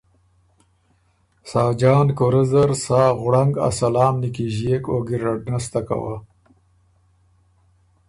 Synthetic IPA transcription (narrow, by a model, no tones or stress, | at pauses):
saːd͡ʒɑːnkoɾezaɾsaːɣɽaŋɡa̰salɑːmnikiʒijekoːɡiɾaɖnast̪aka̰wa̰